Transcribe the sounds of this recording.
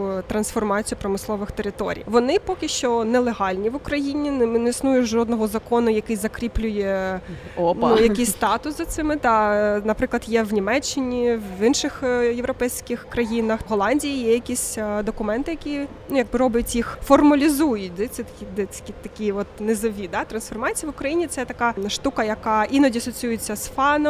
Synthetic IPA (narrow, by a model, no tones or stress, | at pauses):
t̪ɾɐnsfɔrmɑt͡sʲijʊpɾɔmɪslˠɔʋɪxt̪eɾɪt̪ɔ̰ɾʲḭjʋɔnɪpɔkʲɪʃt͡ʃɔnɛlˠeɦɑlʲnʲiʋʊkɾɐjinʲinnɛisnujʊʒɔd̪nɔɦɔzɐkɔnʊjɐkɪjzɐkɾʲiplʲʊjɛ | nujɐkɪsʲst̪ɑt̪ʊszɐt̪sɪmɪd̪ɑnɐpɾɪklˠɐd̪jɛʋnʲimɛt͡ʃːɪnʲiʋɪnʃɪxjewɾɔpɛjsʲkɪxkɾɐjinɐxɦɔlˠɑnʲdʲijijɛjɐkʲisʲd̪ɔkʊmɛnt̪ɪjɐkʲi | nujɐɡ̚bɪɾɔbʲɐtʲjixfɔrmɐlʲizujʊtʲd̪ɛsʲɛt̪ɐkʲid̪ɛ̥kʲit̪ɐkʲiɔt̪nezɔʋʲid̪ɑt̪ɾɐnsfɔrmɑt͡sʲijɐʋʊkɾɐjinʲit̪sɛt̪ɐkɑʃt̪ukɐjɐkɑʔinɔdʲiɐsɔt͡sʲjujɪt͡sʲːɐsfɑnɔ